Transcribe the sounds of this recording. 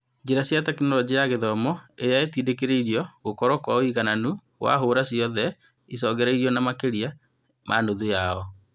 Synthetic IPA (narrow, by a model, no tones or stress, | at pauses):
d͡ʑeɾasjatɛkinɔɾɔd͡ʒijaɣeðɔmɔejaetiːdekeɾeiɾiɔɣokɔɾɔkwaoiɣananu | wa̰ɦoːɾasiɔðɛ | is̬ɔːɣɛɾɛiɾiɔnamakeɾia | mʔanoðujaɔ